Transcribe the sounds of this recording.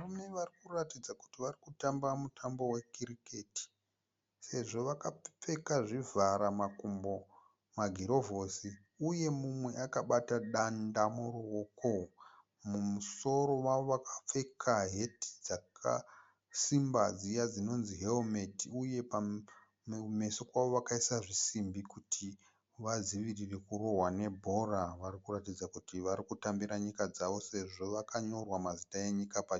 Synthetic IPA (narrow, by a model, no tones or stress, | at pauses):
ʋarumeʋarikuratid͡zaku̥tiʋarikutambamutʰambo̞we̞kiɾiketi̥ | se̞ʐo̞ʋakap͡fe̞kaʐivʱaɾamakumbo | maɡʱiɾo̞vosi | uje̞mumwe̞ʔakaɓataɗandamuɾowoko | mumuso̞ɾo̞waʋoʋakʰḁp͡fe̞kʰaɦe̞ti̥d͡zakʰa̰ | simbad͡zijad͡zino̞nziɦelome̞tiuje̞pa | me̞so̞kwaʋo̞ʋakaisaʐisimbikutʰi | ʋaziʋirirekuro̞ɦwane̞bʱo̞raʋaɾikuratid͡zakutiʋaɾikutambiɾaɲikad͡zaʋo̞se̞ʐo̞ʋakaɲo̞rwamazitae̞ɲikapa